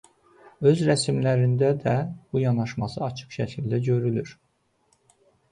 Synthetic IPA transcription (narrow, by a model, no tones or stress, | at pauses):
ø̞zɾæsmlæɾind̪æd̪æb̥ujɑnɑʃmɑsɯɑt͡ʃʰɯ̥χʃæcʰild̪æɟø̞ɾylyɾ